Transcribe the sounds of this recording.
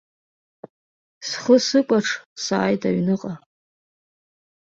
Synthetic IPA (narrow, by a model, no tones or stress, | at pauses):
sχəsɨkʷʼaʈ͡ʂʰsa̰ːjtʰaɥnɨqʼa